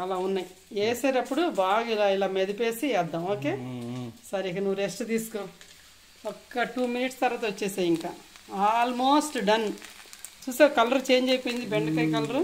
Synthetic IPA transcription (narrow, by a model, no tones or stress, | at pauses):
ɐlaːunːɐji | eːseːɾɐpːuɽubaːɡailaːilaːmed̪ipeːsiɛd̪ːɐmo̞ːkeːsɐɾikɐnuʋːuɾesʈt̪iːsu̥koː | ɔkːɐʈuːminiʈst̪ɐɾaːt̪ɐʋot͡ʃːɛːsaːjiŋkaːalmoːsʈɖɐn | t͡ʃuːsaːkɐlɐɾut͡ʃeːɲd͡ʒejpoːjĩnd̪ibeɳɖɐkejkɐlɐɾu